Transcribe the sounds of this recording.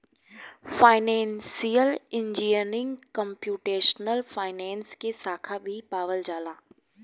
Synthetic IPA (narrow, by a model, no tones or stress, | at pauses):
faːɪnɛ̃ːnsijəlɪ̃ɲd͡ʒiənɪ̃ŋɡkə̃mpjuːʈeːʃnəlfaːɪnɛ̃ːnskesaːkʰabʱipaːʋəld͡ʒaːlaː